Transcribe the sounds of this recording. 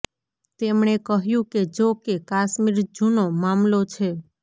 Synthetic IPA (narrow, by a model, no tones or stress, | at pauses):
t̪emɳekəɦjũked͡ʒokekaʃmiɾd͡ʒunomamlot͡ʃʰe